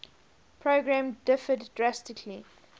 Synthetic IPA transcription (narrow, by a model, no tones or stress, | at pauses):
pʰɹoɡɹãmdɪfəddɹastɪkʰli